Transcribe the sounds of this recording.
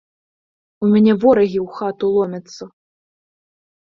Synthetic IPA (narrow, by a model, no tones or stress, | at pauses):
umʲanʲɛvɔɾɐɣʲiwxat̪ulˠɔmʲɐt̪sːɐ